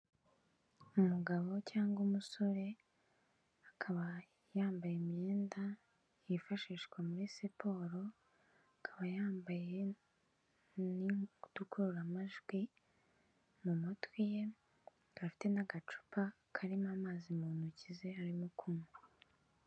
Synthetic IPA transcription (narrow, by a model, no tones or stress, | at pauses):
umuɡaβo̞caːŋɡumuso̞ɾe̞ | akʰaβa | jaːmbajemje̞ːnda | jifaʃiːʃkwamuɾisipʰo̞ːɾo̞ | akʰaβajaːmbaje̞ | nidukuɾuɾamaʒɡwi | mumotwije̞ | afi̥te̞naɡat͡ʃu̥pa | kʰaɾimamaːzimuːnucize̞haɾimokʰumu